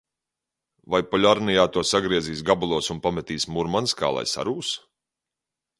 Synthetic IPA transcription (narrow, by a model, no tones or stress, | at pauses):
vajpɔlʲaɾnijaːt̪uɔsaɡɾiɛziːsɡabulˠuɔsunpamɛt̪iːsmuɾmanska̰ːlˠa̰jsa̰ɾuːs